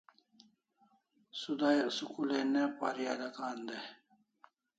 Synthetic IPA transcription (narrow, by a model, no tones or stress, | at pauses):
sud̪ajsukulenepa̰ɾijaːd̪ɐkaːnd̪e